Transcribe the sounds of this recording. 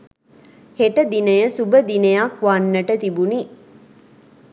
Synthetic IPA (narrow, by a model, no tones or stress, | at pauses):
heʈəd̪inəjəsubəd̪inəjakʋanːəʈət̪ibuni